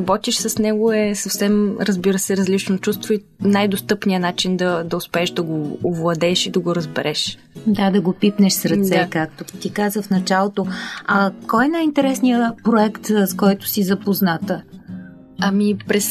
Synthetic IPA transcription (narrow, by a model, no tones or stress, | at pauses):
bɔt̪iʃsɐsnɛɡʊɛsɐfsɛmɾəzbiɾəsɛɾəzlit͡ʃnot͡ʃust̪voi | najd̪ost̪ɤpnijənat͡ʃind̪ɐd̪ɐʊspɛːʃd̪ɐɡoːvlˠɐd̪ɛʃid̪ɐɡoɾəzbɛɾʔɛʃ | d̪ad̪ɐɡopipnɛʃsɾɐt̪sɛkak̚t̪ot̪ikazəfnɐt͡ʃalˠot̪oɐkɔjɛnajint̪ɛɾɛsnijəpɾoɛkt̪skɔjt̪ʊ̥sizɐpoznat̪ə | ɐmipɾɛs